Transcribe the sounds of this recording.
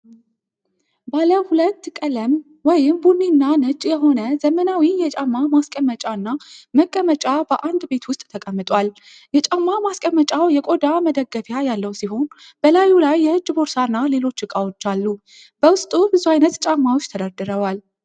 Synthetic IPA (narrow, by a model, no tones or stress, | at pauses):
baləhulət̪ːkʼələm | wɔjɪmbunːinːanɨt͡ʃʼːjɛɦo̞nəzəmənawijɛt͡ʃʼamːamaskʼəmət͡ʃʼanːaməkʼːəmət͡ʃʼabəʔand̪be̞t̪wʊst̪ʼt̪ʰəkʼəmːɨt̪ʼwal | jɛt͡ʃʼamːamaskʼəmːət͡ʃʼawjɛkʼo̞d̪aməd̪əɡːəfjajalːəwsiɦo̞n | b̥əlajulajːɛɨd͡ʒːbo̞ɾsanːale̞lo̞t͡ʃːɨkʼawot͡ʃːalːu | b̥əwʊst̪ʼubɨzuajnət̪t͡ʃʼamːawot͡ʃːt̪ʰəd̪ad̪ɨɾəwal